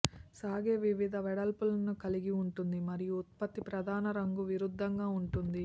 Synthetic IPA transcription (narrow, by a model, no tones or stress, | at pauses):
saːɡeːʋiʋid̪ʱɐʋɛɽɐlpulɐnukɐliɡiuɳʈund̪imɐɾijuut̪̚pɐt̪ːipɾɐd̪ʱaːnɐɾɐŋɡuʋiɾud̪ʱːɐŋɡaːuɳʈund̪i